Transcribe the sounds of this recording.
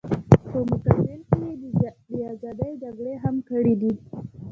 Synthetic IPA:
pəmʊkabɪlkejed̪əd̪əazɑd̪əjd͡ʒaɡɽeɦamkəɽid̪i

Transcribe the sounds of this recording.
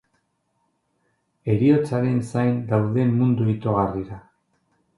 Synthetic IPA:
e̞ɾio̞t͡saɾe̞nsajnd̪awðe̞mːund̪uit̪o̞ɣariɾa

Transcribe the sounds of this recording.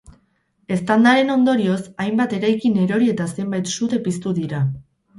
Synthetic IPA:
e̞st̪and̪aɾe̞no̞nd̪o̞ɾio̞sajmbat̪e̞ɾajkine̞ɾo̞ɾie̞t̪ase̞mbajt̪sut̪e̞pist̪uðiɾa

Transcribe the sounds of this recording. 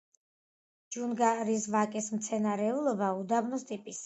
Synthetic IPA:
d͡ʒunɡaɾisvakʼismt̪sʰɛnaɾɛulˠɔbaud̪abnɔst̪ʼipʼis

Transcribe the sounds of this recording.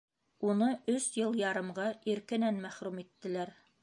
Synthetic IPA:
unɤʔɵsjɤlˠjɑɾɤ̆mʁɑiɾkɘ̆nænmæχɾumit̪ːɘ̆læɾ

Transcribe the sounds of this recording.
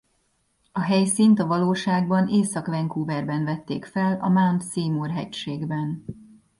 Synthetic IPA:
ɒɦɛjsiːnt̪ɒvɒloːʃaːɡ̚bɒneːsɒkʋɛŋkuːvɛrbɛnvɛt̪ːḛːkfɛlɒmant̪siːmorɦɛcʃeːɡbɛn

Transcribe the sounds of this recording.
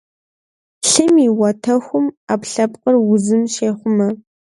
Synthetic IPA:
ɬɨmiwɐtʰɐxʷʊmaːpɬɐpqʼərwʊzɨmʃeːχʷʊmɐ

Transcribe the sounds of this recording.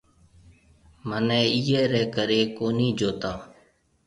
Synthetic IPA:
mənɛ̃ːiːɛːɾɛːkəɾeːkoːniːd͡ʒoːt̪aː

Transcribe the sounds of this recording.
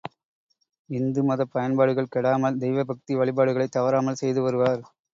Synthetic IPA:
ɪnd̪ɯmɐðɐpːɐjɐnbaːɽɯɣɐɭkɛɽaːmɐld̪ɛjʋɐbɐk̚t̪iʋɐɭɪbaːɽɯɣɐɭɐɪt̪ːɐʋɐɾaːmɐlsɛjðɯʋɐɾɯʋaːɾ

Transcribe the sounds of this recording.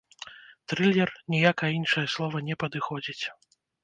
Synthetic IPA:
t̪ɾɨlʲɛrnʲijakɐinʂɐjɐslˠɔvɐnʲɛpɐd̪ɨxɔd͡zʲit͡sʲ

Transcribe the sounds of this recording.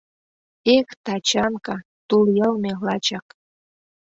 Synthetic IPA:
ekt̪ɑt͡ɕɑnkɑ | t̪uljɤlmelɑt͡ɕɑk

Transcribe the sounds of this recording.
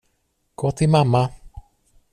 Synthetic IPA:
ɡ̥oːt̪ʰɪlmamːa

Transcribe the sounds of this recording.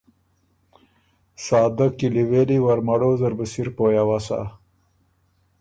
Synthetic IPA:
sɑːd̪akiliweliwaɾmaɽozəɾbəsiɾpoːjawasa̰

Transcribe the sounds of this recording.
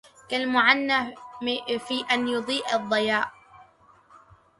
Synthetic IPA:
kalmʊʕanːaː | fiːʔanjʊd̪ˤiːʔɑðˤːɑjaːʔ

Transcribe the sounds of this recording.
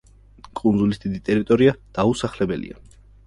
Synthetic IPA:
kʼund̪zulisd̪id̪it̪ʼɛɾit̪ʼɔɾiad̪̥ausaχlɛbɛlḭa̰

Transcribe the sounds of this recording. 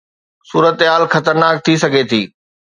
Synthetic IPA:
suːɾət̪ɦaːlxɐt̪əɾnaːk̚t̪ʰisɐɡʱet̪ʰiː

